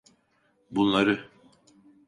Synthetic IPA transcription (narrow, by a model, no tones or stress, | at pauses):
bunlˠaɾɯ